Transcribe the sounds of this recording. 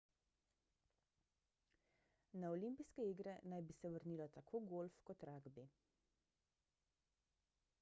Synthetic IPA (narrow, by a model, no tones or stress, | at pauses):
naɔlimpiskɛiːɡɾɛnajbisɛʋəɾniːlɔt̪akʰoːɡolfkɔt̪ɾaːɡbi